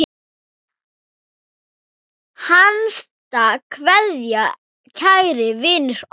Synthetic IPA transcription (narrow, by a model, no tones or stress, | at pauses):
hanst̪akʰvɛðja | cʰajɾɪvɪːnʏɾ̥